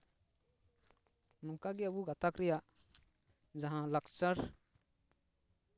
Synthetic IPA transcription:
nukaɡiəbuɡat̪akɾija | d͡ʒəɦãləkt͡ʃəɾ

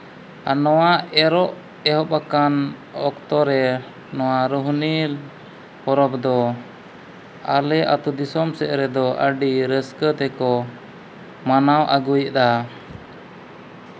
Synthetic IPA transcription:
a̰nɔwaɛɾɔʔ | ɛɦɔpakanɔkt̪ɔɾɛ | nɔwaɾuɦnil | pɔɾɔpd̪ɔ | a̰lɛʔa̰t̪ud̪isɔmsɛʔɾɛd̪ɔʔəɖiɾəskət̪ɛkɔ | manawʔaɡujʔd̪a

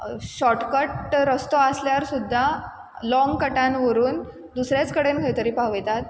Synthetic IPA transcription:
ɕɔʈkəʈɾəst̪oəsljaɾsud̪ʱːa | lɔ̃ŋɡkəʈanʋəɾuːn | d̪usɾjat͡skəɽenɡʱəjt̪əɾiːpaʋəjt̪at̪̚

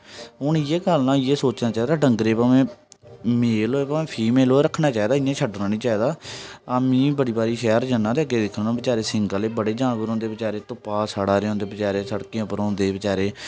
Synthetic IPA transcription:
ʊnɪjeːkəlnãːɪjeːsoːt͡ʃnaːt͡ʃaːiːd̪aːɖəŋɡɾeːpaːmẽː | meːlɦoːeːpaːmẽːpʰiːmeːloːɾəkʰnãːt͡ʃaːiːd̪aːɪjãːt͡ʃʰəɖɾãːniːt͡ʃaːiːd̪aːamĩːbəɽiːbaːɾiːʃɛːɾd͡ʒənːãːd̪eəɡeːd̪ɪkʰːnːnãːbɪt͡ʃaːɾeːsɪŋɡəleːbəɽeːd͡ʒãːɡəɾõːnd̪eːbɪt͡ʃaːɾeːt̪ʊpaːsaɽaːɾeõːnd̪eːbɪt͡ʃaːɾeːsəɽkiãːpəɾõːnd̪eːbɪt͡ʃaːɾeː

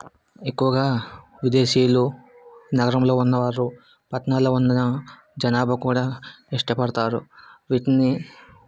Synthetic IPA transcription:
ekːuʋɐɡaː | ʋid̪e̞ːʃiːjlu | nɐɡɐɾɐmlo̞ːunːɐʋaːɾːu | pɐʈnaːloːunːɐnɐ | d͡ʒɐnaːbʱɐkuːɽaːiʂʈɐpɐɽɐt̪aːɾṵʋiːʈinːi

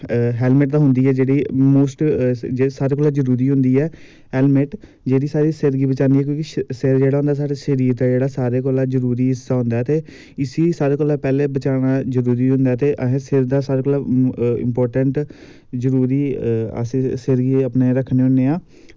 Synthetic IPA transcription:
ɦɛːlmɪʈ̚d̪aːɦʊnd̪iːɛːd͡ʒeːɽiːmoːsʈd͡ʒesaːɾeːkoːlaːd͡ʒəɾuːɾiːɦʊ̃nd̪iːɛː | ɦɛːlmɪʈ | d͡ʒeːɽiːsaːɾiːsɪɾɡiːbət͡ʃãːnd̪iːɛːk̬jõːkiʃsɪɾd͡ʒeːɽaːʊ̃nd̪aːsaːɽeʃəɾiːɾt̪ɛːd͡ʒeːɽaːsaːɾeːk̬oːlaːzəɾuːɾiːɪsaːɦʊ̃nd̪aːɛːt̪eː | ɪsiːsaːɾeːkoːlaːpɛːleːbət͡ʃaːɽaːd͡ʒəɾuːɾiːɦʊ̃nd̪aːt̪eːʔəɦẽsɪɾd̪aːsaːɾeːkʊːlaɪ̰mpɔːɾʈəɳʈ | zəɾuːɾiːə̰ssəɾɡiːəpneːɾəkʰːneːɦʊnːeːaː

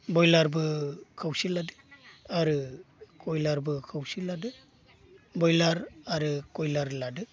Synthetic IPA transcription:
bɔjlaɾbɯkʰawsiladɯaɾɯkʰɔjlaɾbɯkʰawsiladɯ | bɔjlaɾaɾɯkɔjlaɾladɯ

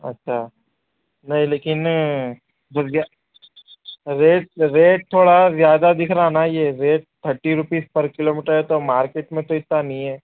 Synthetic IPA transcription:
ɐ̰tːʃʰa | nɐɦĩleːkɪn | bɐja | ɾeːʈ̚ɾeːʈ̚t̪ʰoːɽazjaːd̪ad̪ɪkʰɾaanajeːɾeːʈ̚t̪ʰəɾʈiɾʊpiːspɐɾkɪloːmiːʈəɾɦɛt̪omaːɾkeːʈmẽt̪oɪt̪nanɐɦĩɦɛː

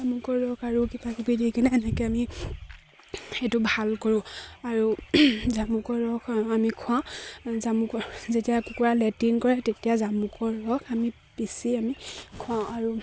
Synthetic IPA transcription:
zamukɔɹɹɔkaɹukibakupidikanɛːnɛkɛami | xetʊbʱalkoɹʊ̃aɹuzamukɔɹɔkamikʰʊãzamukɔzetijakukuɹalɛtinkɔɹɛtetijazamukɔɹːɔkami | pisiamikʰʊ̃ãaɹu

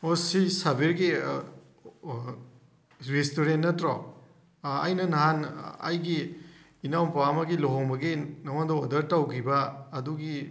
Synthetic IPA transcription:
osisabeɾɡi | ɾestoɾentːɐtɾɔ | ajnɐnɐɦana̰jɡiː | nawmpawamɐɡiloɦɔŋbɐɡinɐwandɐodɐɾtawkʰibɐːduɡi

